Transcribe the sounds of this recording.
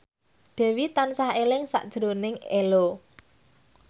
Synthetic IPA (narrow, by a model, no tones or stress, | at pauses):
ɖ̪̥ɛ̤wit̪ansaɦelɪŋsa̰ʔd̥ʒ̥əɾonɪŋelo